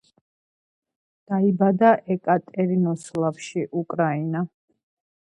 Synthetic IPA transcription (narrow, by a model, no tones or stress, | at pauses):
d̪̥aibad̪aʔɛkʼat̪ʼɛɾinɔslˠafʃiʔukʼɾaina